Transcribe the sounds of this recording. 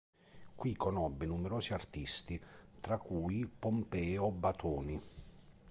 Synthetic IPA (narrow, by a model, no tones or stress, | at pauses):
kwikːɔnɔbːɪnumɛɾoːsiart̪ist̪it̪ɾakːuːjpɔmpɛːɔbat̪ʰɔːni